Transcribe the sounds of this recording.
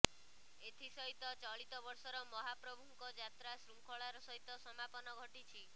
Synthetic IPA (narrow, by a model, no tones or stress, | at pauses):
et̪ʰisɔɦit̪ɔt͡ʃɔɭit̪ɔbɔɾsɔɾɔmɔɦapɾɔbʱuŋkɔd͡ʒat̪ɾasɾumkʰɔɭaɾɔsɔɦit̪ɔsɔmapɔnɔɡʱɔʈit͡ʃʰi